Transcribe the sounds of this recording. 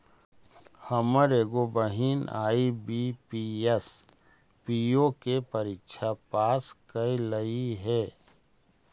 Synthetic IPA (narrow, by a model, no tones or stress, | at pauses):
həməɾeːɡobəɦiːna̰ːibipiːes | piːokepɐɾikʃʰapaːskəiləiɦɛː